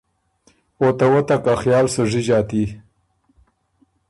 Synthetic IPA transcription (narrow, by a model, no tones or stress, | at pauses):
ot̪awɐt̪ɐkaxjɑːlsəʐid͡ʑɑːt̪i